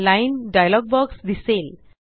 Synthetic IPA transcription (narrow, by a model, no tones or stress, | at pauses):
lajndajalɔɡ̚bɔɡsd̪isil